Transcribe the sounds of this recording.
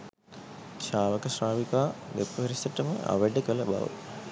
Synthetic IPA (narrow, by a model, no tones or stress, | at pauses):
ɕaːʋəkəsraːʋikaːd̪epuʋɐɾisəʈəmə̰ʔa̰ʋəɖəkələba̰ʋə̰